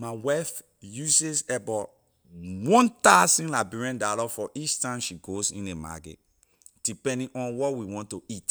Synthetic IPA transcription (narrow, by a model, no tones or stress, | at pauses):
mawaf | jusesɛbɔ | wɔ̃ntasĩnlabuɹɛ̃ndalɔfɔʔit͡ʃtãɪ̃mʃiɡozḭ̃nema̰ɡḛt | d̥ipɛ̃ndĩŋʔɔ̃nwɔtwiwɔ̃ntoit